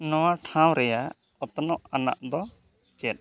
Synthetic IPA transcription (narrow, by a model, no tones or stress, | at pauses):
nɔwaʈʰãw̃ɾɛjaʔʔ | ɔt̪ɔnɔʔana̰ʔd̪ɔ | t͡ʃɛt̪̚